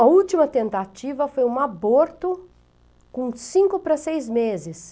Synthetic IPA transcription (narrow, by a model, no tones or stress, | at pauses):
ɐuwt͡ʃimɐt̪ẽnt̪at͡ʃivɐfojũaboɾt̪ʊ | kõsĩŋkʊpɾɐsejzmezɪs